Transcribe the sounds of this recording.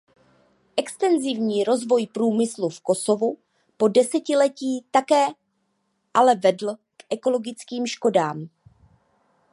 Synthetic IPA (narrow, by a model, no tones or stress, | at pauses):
ʔɛkst̪ɛnzɪvɲiːɾo̞zvo̞jpɾuːmɪslufko̞so̞vu | po̞dɛsɛcɪlɛciːt̪akɛː | ʔalɛvɛdl̩ | kʔɛko̞lo̞ɡɪt͡skiːmʃko̞daːm